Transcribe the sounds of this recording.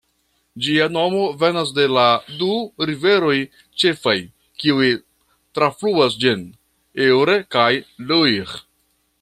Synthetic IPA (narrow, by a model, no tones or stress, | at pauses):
d͡ʒiano̞mo̞ve̞nas̬de̞laduɾive̞ɾo̞j | t͡ʃe̞faj | kiui | tɾafluas̬d͡ʒin | ewɾekajluiɾ